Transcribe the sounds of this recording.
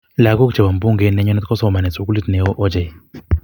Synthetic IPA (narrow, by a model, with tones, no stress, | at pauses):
la˨˦kɔ˦ku̥˦t͡ʃɛ˨βa˨m̩˨bu˦ŋɡɛ˨˦nɛ˨˦ɲɔ˦nɛ˦t̪kɔ˦sɔ˦˨ma˨nɛ˨t͡su˨k̬u˦li˦tnɛ˨ɔ˦ʔɔ˦d͡ʒɛ˨